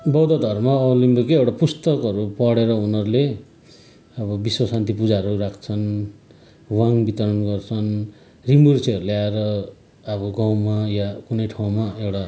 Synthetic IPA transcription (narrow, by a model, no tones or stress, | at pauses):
bʌwd̪ʌd̪ʱʌrmaʌlimbikiewʈapust̪ʌkʌɾupʌɽeɾʌunʌɾule | ʌbʌbiswʌsant̪ipud͡zaɾurakʰt͡sʰʌn | waŋbit̪ʌɾʌnɡʌrt͡sʰʌn | rimursʰiʌɾuleaeɾʌ | ʌbʌɡaw̃majakunʌjʈʰaw̃maewʈa